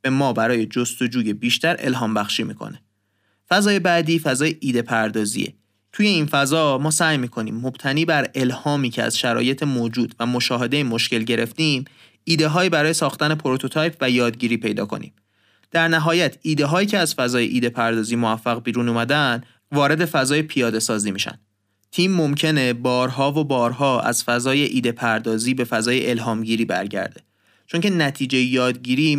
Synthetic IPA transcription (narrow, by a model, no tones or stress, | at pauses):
b̥emɒːbæɾɒːje̞d͡ʒo̞st̪o̞d͡ʒuːje̞biːʃt̪ʰæɾʔe̞̰lɦɒːmbæxʃiːmiːkʰo̰ne | fæzɒːje̞bæd̪iːfæzɒːjeʔiːd̪e̞pʰæɾd̪ɒːzḭḛ | t̪ʰuːje̞infæzɒːmɒːsæːjmiːkʰo̞nḭːmːo̞b̥t̪ʰæniːbæɾe̞lhɒːmiːcʰeæ̰z̥ʃæɾɒ̰ːje̞t̪ʰemoːd͡ʒuːd̪væmo̞ʃɒːɦe̞d̪eimo̞ʃce̞lɟe̞ɾe̞ft̪iːm | iːd̪e̞ɦɒːiːbæɾɒːje̞sɒːxt̪æne̞pʰoɾot̪ʰo̞t̪ʰɒːjpʰvæjɒːd̪ɟiːɾiːpʰe̞jd̪ɒ̰ːkʰo̞̰nḭːm | d̪̥æɾnæɦɒːjæt̪ʰiːd̪eɦɒːjiːcʰe̞æz̥fæzɒːjeʔiːd̪e̞pʰæɾd̪ɒːziːmoæfːæɣbiːɾuːnuːmæd̪ænd̪ | vɒːɾe̞d̪e̞fæzɒːjepʰijɒːd̪e̞sɒːziːmiːʃæ̰nd̪̥ | t̪ʰiːmːomcʰe̞ne̞bɒːɾɦɒːvobɒːɾɦɒːæ̰z̥fæzɒːje̞ʔiːd̪e̞pʰæɾd̪ɒːziːbe̞fæzɒːje̞ʔelɦɒːmɟiːɾiːbæ̰ɾɟæ̰ɾd̪e̞ | t͡ʃʰo̞ŋce̞næt̪ʰiːd͡ʒe̞jejɒːd̪ɟiːɾiː